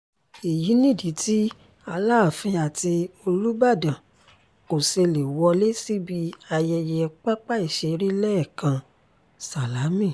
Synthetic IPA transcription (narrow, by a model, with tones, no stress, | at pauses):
e˨ji˨˦nĩ˦˨di˨˦tʰi˦ | a˧laː˦˨fĩ˧a˨ti˧o˧lu˦ba˦˨dã˨ | ko˨se˧le˨wɔ˧le˦si˦bi˧a˧jɛ˧jɛ˧k͡pa˦k͡pa˦i˦˨ʃɛ˧ɾi˦lɛ˦ɛ˦˨kã˧ | sa˨la˨˦mĩ˦˨